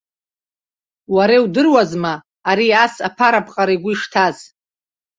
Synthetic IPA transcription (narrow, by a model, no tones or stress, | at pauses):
waɾewdɨrwazmaː | ɾiasapʰaɾapʰʼqʼaɾajɡʷʊiʂtʰaz̥